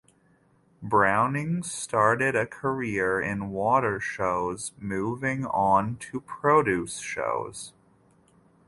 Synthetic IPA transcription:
bɹãʊ̃nɪ̃ŋstɑɹɾɪɾɨkʰə˞ɪɹɪ̰̃nwɔɾə˞ʃoʊzmuvɪ̃ŋə̃ntʰɨpʰɹ̥oʊɾʉsʃo̰ʊz̥

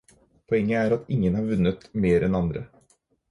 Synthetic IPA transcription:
pʰɔɛŋːəæːɾat̪ɪŋːənhɑɾvʉnːət̪meːɾɛnand̪ɾə̰

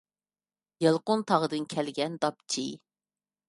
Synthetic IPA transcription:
jelˠqʊnt̪ʰɑʁəd̪ɨnkʲʰɛlɡʲɛnd̪ɑp̚t͡ʃʰi

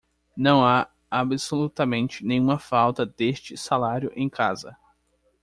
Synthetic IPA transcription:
nɐ̃w̃a | abɪsolut̪ɐmẽnt͡ʃɪnẽj̃ũmɐfawt̪ɐd̪est͡ʃɪsalaɾjʊʔẽj̃kʰazɐ̰

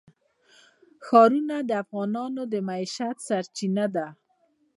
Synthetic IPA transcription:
xɑɾunad̪əafɣɑnɑnod̪əmaiʃat̪saɾt͡ʃinad̪a

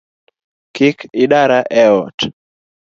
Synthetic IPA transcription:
kɪkɪɗaɾaʔɛɔt

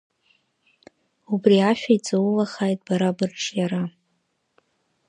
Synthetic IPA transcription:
ubriaʃᶣait͡sʼɨwulaχaːjtʼbaɾabɨrʈ͡ʂjaɾa

